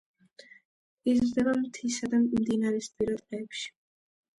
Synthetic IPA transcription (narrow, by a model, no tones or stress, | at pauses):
izɾd̪ɛbamt̪ʰisad̪amd̪inaɾɛspʼiɾad̪qʼɛːpʃi̥